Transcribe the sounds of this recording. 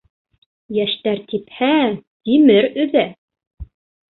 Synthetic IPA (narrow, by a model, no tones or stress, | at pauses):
jæʃt̪æɾt̪iphæt̪imɘɾɵ̆ðæ